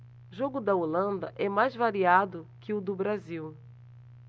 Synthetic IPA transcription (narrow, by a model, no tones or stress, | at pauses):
ʒoɡʊd̪ɐolɐ̃nd̪ɐʔɛmajzvaɾiad̪ʊkɪʊd̪ʊbɾaziw